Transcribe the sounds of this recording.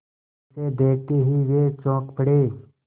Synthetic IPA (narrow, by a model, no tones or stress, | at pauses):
sed̪eːʈ̪eɦiʋeːt͡ʃɔ̃ːkpəɽeː